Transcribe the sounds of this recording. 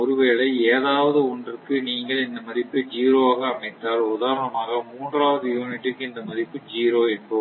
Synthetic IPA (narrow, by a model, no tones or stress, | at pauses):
ɔɾɯʋeːɭɐɪeːðaːʋɐðɯɔndrɯkɯniːŋɡɐɭɪnd̪ɐmɐðɪpːɯd͡ʒiːɾoːaːɣɐːmɐɪt̪ːaːɭʊðaːɾɐnɐmaːɣɐmuːndraːʋɐðɯjuːnɪʈːɯkːɯɪnd̪ɐmɐðɪpːɯd͡ʒiːɾoːɛnbo